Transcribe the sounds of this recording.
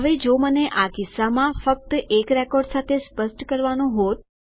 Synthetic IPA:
əʋed͡ʒoməneʔakɪsːamãfək̚t̪ekɾɛkɔɾɖsat̪ʰespəsʈkəɾʋanũɦot̪̚

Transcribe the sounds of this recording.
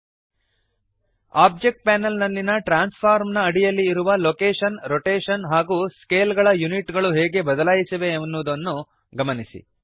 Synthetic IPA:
aːb̚d͡ʒek̚ʈ̚pɛːnɐlnɐlːinɐʈɾaːnspʰaːɾmnɐːɽijɐlːiːɾuʋɐloːkeːʃɐnɾoʈeːʂɐnɦaːɡuːskeːlɡɐɭɐjuniʈɡɐɭuɦeːɡe̞bɐd̪ɐlaːjisɐʋe̞ːnːud̪ɐnːu | ɡɐmɐnisḭ

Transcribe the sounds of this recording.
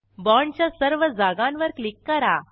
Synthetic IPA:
bɔɳt͡ɕjasəɾʋəd͡zaɡãnʋəɾklikːəɾa

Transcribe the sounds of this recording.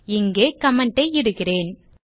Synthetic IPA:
ɪŋɡeːkɐmɐɳʈɐɪɪɽɯɣɪreːn

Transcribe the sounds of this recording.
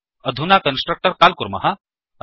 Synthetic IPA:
əd̪ʱunakənsʈɾək̚ʈəɾkalkuɾmɐ̰ɦa

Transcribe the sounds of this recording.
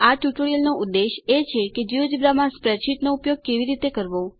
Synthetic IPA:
aʈjuʈoɾijəlnoʔud̪ːeʃet͡ʃʰeked͡ʒiod͡ʒibɾamãspɾɛʈʃiʈ̪noupjoɡ̚keʋiɾit̪ekəɾʋo

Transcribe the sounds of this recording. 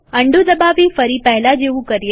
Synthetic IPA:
əɳɖud̪əbaʋifəɾipɛɦlad͡ʒeʋũkəɾje

